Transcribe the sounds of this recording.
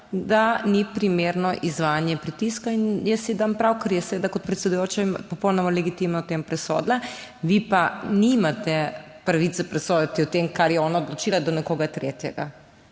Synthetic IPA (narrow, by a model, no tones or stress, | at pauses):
d̪anipɾimeɾnɔʔizʋajanjɛpɾit̪iskainjɛsed̪ampɾawkɐɾjɛsɛʋed̪akɔt̪̚pɾɛt̪sɛd̪ujoːt͡ʃampɔpɔwnɔmalɛɡit̪imnat̪empɾɛsɔ̰d̪laʋipanimat̪ɛ | pɾaʋit̪sɛpɾɛsɔd̪at̪iɔt̪emkaɾjɛɔnaɔd̪lɔt͡ʃilad̪ɔnɛkoːɡat̪ɾet̪jɛɡa̰